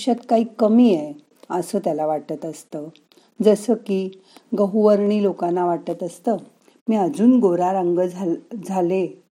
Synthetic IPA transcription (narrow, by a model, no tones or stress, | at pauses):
ɕat̪kaɦiːkəmiːɛ | əsəːt̪jalaʋaʈt̪ət̪əst̪əː | d͡zəsəkiː | ɡəɦuʋəɾɳiːlokãnːaʋaʈt̪ət̪əst̪əː | miːad͡zuːnɡoɾaɾaŋɡəd͡zʱd͡zʱale